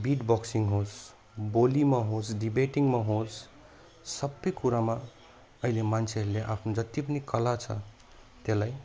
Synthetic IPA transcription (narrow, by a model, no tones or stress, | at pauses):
biʈbɔksiŋɡɦos | bolimaɦot͡ʃɖibeʈiŋɡmaɦot͡s | səbːəjkuɾama | əɦilemant͡ʃʰeɦleʔa̰pʰned͡ʒət̪ːip̬ənikəlat͡ʃʰʌ̰ | t̪elaj